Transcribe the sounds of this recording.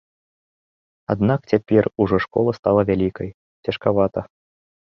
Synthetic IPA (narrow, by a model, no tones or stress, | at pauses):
ad̪nak̚t͡sʲapʲɛruʐɔʂkɔ̰lˠɐst̪alˠɐvʲalʲikɐj | t͡sʲɐʂkavat̪ɐ